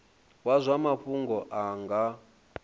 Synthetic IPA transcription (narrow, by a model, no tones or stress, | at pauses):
wazʷamaɸuŋɡɔʔaŋɡa